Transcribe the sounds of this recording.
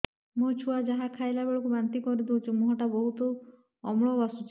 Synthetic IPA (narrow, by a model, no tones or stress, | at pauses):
mut͡ʃʰuad͡ʒaɦakʰajlabeɭɔkubant̪ikɔɾit̪ʰw̃t͡ʃʰumuɦɔʈabɔɦut̪ɔ | ɔmɭɔbasut͡ʃʰi̥